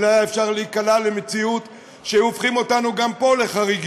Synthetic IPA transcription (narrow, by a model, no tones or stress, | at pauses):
lajaefʃaʁleikalalemet͡siut | ʃeofχimo̞tanuɡampo̞le̞χaʁiɡ